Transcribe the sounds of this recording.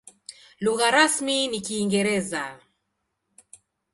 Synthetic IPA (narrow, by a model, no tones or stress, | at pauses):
luɣaɾasminikiːŋɡɛɾɛza